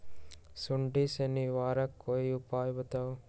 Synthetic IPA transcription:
suɳɖiseniʋaːɾɐkːojupaːjbɐt̪ɐw

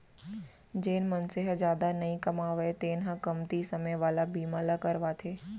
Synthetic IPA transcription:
d͡ʑeːnmɐnseɦəzjaːd̪anɐĩkɐmaːʋet̪eːnɦãkɐmt̪isɐməjʋaːlabiːmaːlakɐɾʋat̪ʰeː

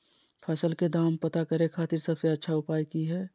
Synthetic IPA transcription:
pʰɐsəlked̪aːmpət̪akɐɾẽkʰaːt̪ɪɾsɐbseɐtːʃʰaʊpaːjkiɦɛː

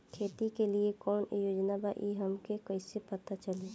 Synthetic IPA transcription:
kʰeːt̪ikeliekɔːnjoːd͡ʒnabaʔiɦɐmkekəɪsepɐt̪at͡ʃɐli

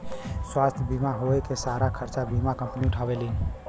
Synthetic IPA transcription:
swast̪ʰjbʱimaɦoekesaɾakʰəɾt͡ʃabʱimakə̃mpniuʈʰabeli

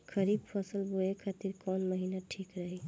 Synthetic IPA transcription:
kʰəɾibpʰəsəlbʱoekʰat̪iɾkɔnməɦinaʈʰikɾəɦi

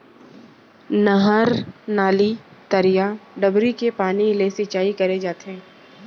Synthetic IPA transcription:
nɐɦəɾnaːlit̪ɐɾijaɖɐbɾikepaːnilesɪt͡ʃaːikɐɾed͡ʒaːt̪ɦɛ̃ː

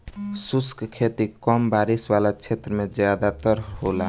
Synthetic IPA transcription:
suskkʰet̪ikɔmbaɾiswalat͡ʃʰet̪ɾəmed͡ʒjad̪at̪əɾɦola

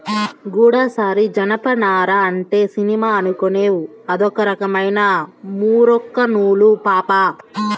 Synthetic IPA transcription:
ɡuːɽaːsaːɾid͡ʒɐnɐpɐnaːɾɐɐɳʈe̞ːsinimaːɐnukone̞ːwu | ɐd̪ɔkɐɾɐkɐmɐjnɐmuːɾɔkːɐnuːɭupaːpa

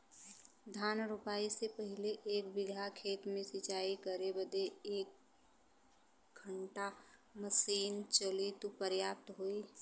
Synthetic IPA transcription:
d̪ʱaːnɾʊpaːisepəɦɪleʔeːkbɪɡʱakʰeːt̪mẽsɪt͡ʃaːikəɾebəd̪eeːk̚ | ɡʰʱəɳʈaməsiːnt͡ʃəlit̪upəɾjaːp̚t̪ɦoːi

